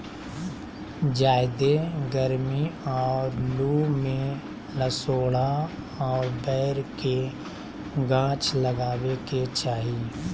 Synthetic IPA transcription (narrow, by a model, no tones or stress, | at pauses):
d͡ʒaːɪd̪eɡəɾmiɔːɾluːmẽ | ləsoːɽa | ɔːɾbɛːɾke | ɡãːt͡ʃləɡaːweket͡ʃaːɦi